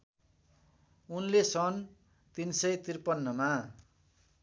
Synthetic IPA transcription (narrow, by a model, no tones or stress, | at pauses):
unlesʌn | t̪insʌjt̪irpʌnːʌma